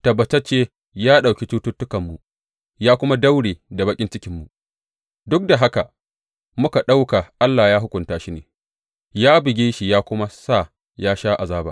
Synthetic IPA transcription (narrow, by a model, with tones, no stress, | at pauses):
tɐ˨bɐ˨tɐ˦t͡ʃeː˦ | jaː˦ɗa˨wkʲi˦t͡ʃuː˦tʊ˦tːʊ˦kɐ˨mːu˨ | jaː˦kʷʊ˦ma˦da˦wɽeː˨da˨bɐ˦kʲʼɪ˦nt͡ʃɪ˦kʲɪ˦mːu˨ | dʊ˦k̚da˨ɦa˦ka˨ | mʊ˦ka˨ɗa˦wka˨ʔa˦lːaː˨jaː˦ɦʊ˦kʷʊ˨ntaː˦ʃi˦nḛː˨ | jaː˦bɪ˨ɡʲeː˦ʃi˨jaː˦kʷʊ˦ma˦sa˦˨ | jaː˦ʃaː˦ʔa˨zaː˦baː˨